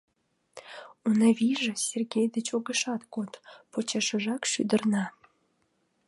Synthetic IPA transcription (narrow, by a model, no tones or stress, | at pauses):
unɑβiʒĕsʲerɡʲejd̪ət͡ɕoɣəʃɑt̪kot̪pot͡ɕɑʃəʒɑkʃy̰d̪ə̆rnɑ